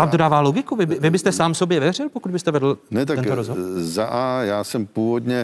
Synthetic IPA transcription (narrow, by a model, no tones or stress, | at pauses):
vaːmdo̞daːvaːloɡɪkuvɪbɪvɪbɪst̪ɛsaːmso̞bjɛvɛr̝ɪlpokud̪bɪst̪ɛvɛdl̩nɛt̪ak̪ɛnt̪oɾozɦozaʔajaːsɛmpuːvodɲɛ